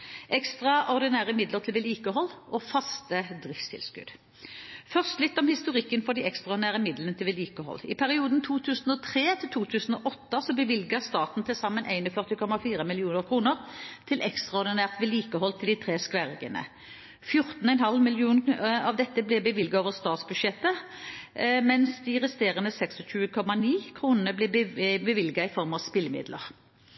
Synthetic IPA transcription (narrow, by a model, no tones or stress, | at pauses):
ʔɛkst̪ʁɑɔʁd̪ɪnæːʁəmɪd̪ləʁt̪ʰɪlʋɛliːkəhɔlːɔfɑst̪əd̪ʁɪfst̪ʰɪ̰lskʉ̰d̪̥ | fœʁst̪lɪt̪ːɔmhɪst̪ʊʁɪkːənfɔʁd̪iːɛkst̪ʁɑɔʁd̪ɪnæːʁəmɪd̪lənət̪ʰɪlʋɛliːkəhɔ̰lːɪ̰pʰæʁɪuːd̪n̩t̪ʰuːt̪ʰʉːsn̩ɔt̪ʰʁeːt̪ʰɪlt̪ʰuːt̪ʰʉːsn̩oːʔɔt̪ːəsɔbəʋɪlɡəst̪ɑːt̪n̩t̪ʰɪlsɑmːənʔæɪnɔfœʁt̪ɪkʰɔmɑfiːʁəmɪlɪuːnəʁkʰʁuːnəʁt̪ʰɪlʔɛkst̪ʁɑɔʁd̪ɪnæːʁt̪ʋɛliːkəhɔlt̪ʰɪld̪ɪt̪ʰʁeːskʋæʁɡə̰nə̰ | fjʊʁt̪n̩ɔɛnhɦɑlmɪlɪuːnɑʋd̪ɛt̪ːəblɛbəʋɪlɡɑoːʋəʁst̪ɑːt̪sbʉʃɛt̪ːə | mɛnsd̪ɪʁɛst̪eːʁənəsɛksɔɕʉːəkʰɔmɑniːkʰʁuːnənəblɪbbəʋɪlɡɑɪfɔʁmɑʋspɪlmɪ̰d̪lə̰ʁ